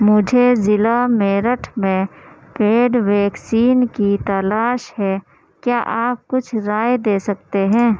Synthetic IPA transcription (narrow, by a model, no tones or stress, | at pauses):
mʊd͡ʒʱezɪlameːɾəʈʰmẽ | peːɖʋɛːksiːnkit̪ɐlaːʃhɛ | kjaːʔaːp̚kʊt͡ʃʰɾaːjed̪eːsɐkt̪eɦɛ̃ː